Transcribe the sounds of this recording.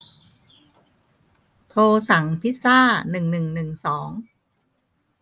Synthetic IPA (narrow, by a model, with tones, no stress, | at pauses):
t̪ʰoː˧sa˩˦ŋpʰi˦˥saː˥˩nɯ˨˩ŋnɯ˨˩ŋnɯ˨˩ŋsɔː˩˦ŋ